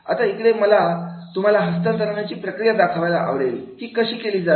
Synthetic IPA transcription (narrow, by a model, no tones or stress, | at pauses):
a̰t̪aikɽeməlat̪um̤alaɦəst̪ənt̪əɾaɳjat͡ɕiːpɾəkɾijad̪akʰaʋajlaʔa̰ʋɽelk̪iːkəɕiːkeliːd͡za